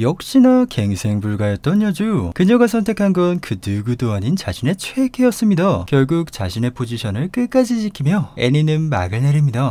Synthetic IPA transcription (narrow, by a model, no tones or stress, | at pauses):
jʌk̚ɕ͈inake̞ŋsʰe̞ŋbuɭɡajʌt̚t͈ʌnʌd͡ʑukɯɲʌɡasʰʌntʰe̞kʰanɡʌnkɯnɯɡudoɦaɲint͡ɕaɕʰine̞t͡ɕʰwekʰe̞ʌs͈ɯmɲidakjʌɭɡuk̚t͡ɕaɕʰine̞pʰod͡ʑiɕʰʌnɯɭk͈ɯk͈ad͡ʑid͡ʑikʰimjʌe̞ninɯnma̰ɡɯɭne̞ɾimɲida